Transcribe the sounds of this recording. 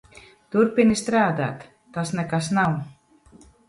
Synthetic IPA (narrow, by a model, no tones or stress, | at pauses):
t̪uɾpinist̪ɾaːd̪a̰ːt̪ː | asnɛkasnaw